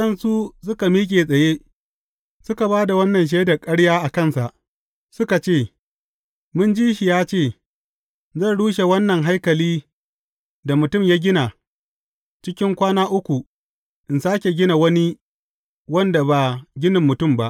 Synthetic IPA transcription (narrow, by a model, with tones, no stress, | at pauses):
ɐ˦nsu˦s̬ʊ˦ka˨miː˦k̬ʲʼe˨sʼɐ˨jeː˦ | sʊ˦ka˨baː˦da˨wɐ˦nːɐ˨nʃ̬eː˦da˨kʼɐ˦ɽjaː˦ʔa˨kɐ˦˨nsa˨ʔ | sʊ˦ka˨t͡ʃeː˦˨ | mʊ˦nd͡ʒiː˦ʃi˨jaː˦t͡ʃeː˦˨ | zɐ˦˨nɽuː˦ʃe˨wɐ˦nːɐ˨ŋɦa˦jkɐ˨liː˦ | da˨mʊ˨tʊ˦˨mja˦ɡʲɪ˦na˨ | t͡ʃɪ˦kʲɪ˦ŋkʷaː˦naː˦ʔʊ˦kʷu˨ | ʔɪ˨nsaː˦kʲe˨ɡʲɪ˦na˨wɐ˦ni˦ | wɐ˦nda˨baː˨ɡʲɪ˦nɪ˨mːʊ˨tʊ˦˨mba˦ʔ